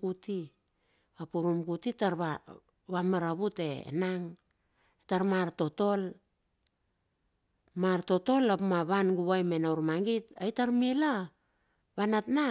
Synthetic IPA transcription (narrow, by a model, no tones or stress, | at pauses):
ɡuti | apuɾumɡutitaɾβa | βamaɾaβute̞̰naŋ | etaɾmaɾto̞to̞l | maɾto̞to̞lapmaβanɡuβajme̞nawɾmaŋɡitajtaɾmila | βanatna